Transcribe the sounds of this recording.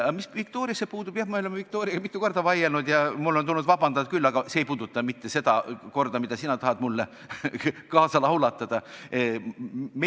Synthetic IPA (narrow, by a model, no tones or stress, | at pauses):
ɑmisvikt̪o̞ːɾijɑsːepuːd̪ub̥jɑhmɑølemɑvik̚t̪o̞ːɾiɑ̥ɑmit̪ːˑuko̞rd̪̥ɑvɑjelnud̪jɑmulːo̞nt̪ulnud̪̥vɑbɑnd̪̥ɑt̪̚kylːɑɡ̥ɑseejpuːd̪ut̪ːˑɑmit̪ːe̞se̞d̪̥ɑko̞rd̪ɑmid̪ɑsinɑt̪ɑhɑd̪̥mulːe | kɑːsɑlɑwlɑt̪ːˑɑd̪̥ɑ | me